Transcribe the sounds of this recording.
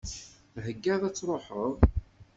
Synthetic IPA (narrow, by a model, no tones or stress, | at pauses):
ɦəɡːæðæt͡sːɾˤoħəðˤ